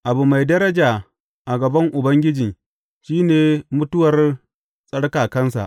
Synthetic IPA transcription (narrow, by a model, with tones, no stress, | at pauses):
ʔa˨bu˨ma˨jdɐ˦ɾɐ˦d͡ʒaː˨ | ʔa˨ɡɐ˨bɐ˦ŋʔʊ˨bɐ˦ŋɡʲɪ˦d͡ʒi˨ŋ | ʃiː˦neː˨mʊ˦tʊ˦wɐ˨r | sʼɐ˦ɽkaː˨kɐ˦nsa̰˨ʔ